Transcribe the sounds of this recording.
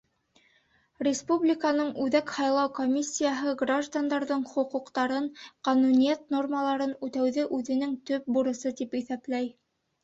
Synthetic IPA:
rʲɪspublʲɪkanɤɴʉðækhɑjlˠɑwkomʲisʲːijaɦɤɡraʒd̪and̪ɑɾðɤɴχŏquqt̪ɑɾɤɴqɑnunijæt̪no̞rməlˠɑɾɤnʉt̪æwðɘʔʉðɘ̆nɘŋt̪ɵp̚buɾɤ̆sɤt̪ipiθæplæj

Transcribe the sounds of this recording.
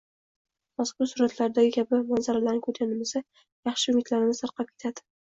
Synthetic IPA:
maskʊɾsʊɾat̪ʰlaɾd̪aɡʲɪkʲʰabɪmanzaɾalaɾnɪkʰɵt̪anɪmɪsa | jɑχʃɪʊmɪt̪ʰlaɾɪnɪsaɾqɑp̚kʲʰet̪ʰad̪̥ɪ̥

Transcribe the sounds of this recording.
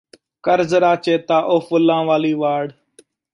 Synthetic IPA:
kəɾzɾaːt͡ʃeːt̪aːʔoːfʊlãːʋaːliːʋaːɽ

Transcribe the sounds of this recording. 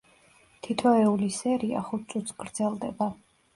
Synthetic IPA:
t̪ʰit̪ʰɔɛulisɛɾia̰χut̪̚ʰsʼut̪sɡɾd̪z̥ɛlˠd̪ɛba

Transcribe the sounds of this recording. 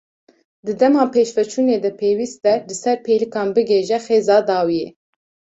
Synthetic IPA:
d̪ɨd̪ɛmɑːpʰeːʃfɛt͡ʃʰuːneːd̪ɛpʰeːwiːst̪ɛlɨsɛɾpʰeːlɨkɑːnbɨɡeːʒɛxeːzɑːd̪ɑːwijḛː

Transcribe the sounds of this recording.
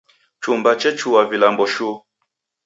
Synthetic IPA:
t͡ʃumbat͡ʃɛt͡ʃuwavilambɔʃu

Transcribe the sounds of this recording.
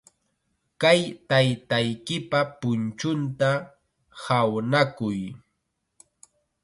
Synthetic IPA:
kajt̪ajt̪ajkɪpapʊnt͡ʃʊnt̪a | hawnakʊj

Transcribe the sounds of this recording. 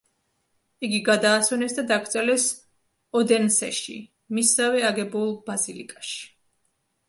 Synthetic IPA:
iɡiɡad̪aːsɔnɛsd̪ad̪aɡɾt̪sʼɛlɛs | ɔd̪ɛnsɛ̰ʃḭ | misːavɛaɡɛbulˠbazilḭkʼaʃi̥

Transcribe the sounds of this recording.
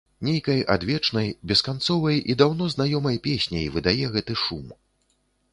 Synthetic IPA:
nʲejkɐja̰d̪vʲɛt͡ʂnɐjbʲɛskant̪sɔvɐjid̪awn̪ɔznajɔmɐjpʲesʲnʲɐ̰jvɨd̪ajɛɣɛt̪ɨʂum

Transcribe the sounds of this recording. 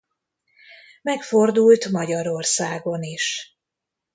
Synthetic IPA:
mɛkfo̞rd̪ult̪mɒɟɒɾo̞rsaːɡo̞niʃ

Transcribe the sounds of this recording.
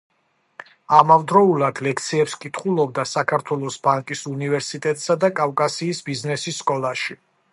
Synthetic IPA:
amavd̪ɾɔulˠad̪lɛkʰt̪sʰiɛpskʼit̪ʰχulˠɔb̚d̪asakʰaɾt̪ʰwɛlˠɔsbaŋkʼisunivɛɾsit̪ʼɛt̪ʼsad̪akʼavkʼasiːsbiznɛsisːkʼɔlˠaʃi

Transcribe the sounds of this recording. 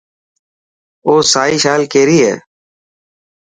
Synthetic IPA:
oːsaːiːʃaːlkeːɾiːɦḛː

